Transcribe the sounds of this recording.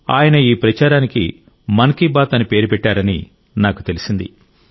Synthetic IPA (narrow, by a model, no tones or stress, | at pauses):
a̰ːjɐnɐiːpɾɐt͡ʃaːɾaːnikḭ | mɐŋkibaːt̪ɐnipe̞ːɾupɛʈːaːɾɐnḭ | naːku̥t̪e̞lisind̪ḭ